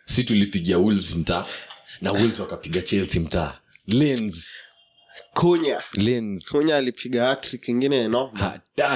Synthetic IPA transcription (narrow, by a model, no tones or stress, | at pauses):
situlipiɠiawulzm̩taːnawulzwakapiɠat͡ʃɛltim̩ta̰ː | lɛnz | kʰuɲalɛnzkuɲaːlipʰiɠaatɾikiŋɡinɛnɔha̰ta